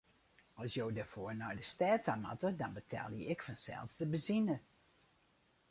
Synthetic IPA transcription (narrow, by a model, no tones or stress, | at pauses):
ɔlˠsjowdəfoːɹnɔjdəstɛːtʰama̰tədɔnbətʰɛ̰lˠjəɪkfɔnsɛ̰lˠsdəbəzinə